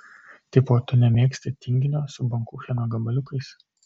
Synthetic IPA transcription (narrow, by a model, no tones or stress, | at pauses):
t̪ʲɪpoːt̪ʊnʲɛmʲeːksʲt̪ʲɪt̪ʲɪŋʲɡʲɪnʲoːsʊbɐŋkuxʲɛnoːɡɐbɐlʲʊkɐɪs